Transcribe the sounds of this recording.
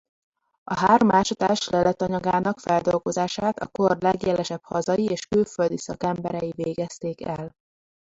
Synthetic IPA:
ɒɦaːrmaːʃɒt̪aːʃlɛlɛt̪ɒɲɒɡaːnɒkfɛld̪o̞lɡo̞zaːʃaːt̪ɒ̰korlɛɡjɛlɛʃɛphɒzɒjieːʃkylføld̪isɒkɛmbɛɾɛjiveːɡɛst̪eːkɛl

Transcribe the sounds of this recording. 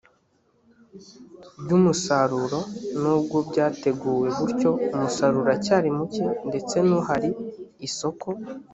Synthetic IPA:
bɟuːmusaɾuɾo̞nuːb̚ɡobɟaːte̞ɡuːwe̞βuɾco̞umusaɾuɾacaːɾimucinde̞t͡se̞nuhaɾiːso̞ko̞

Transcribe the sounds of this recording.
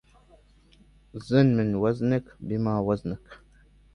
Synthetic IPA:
zənmənwaznəkbimawaznək

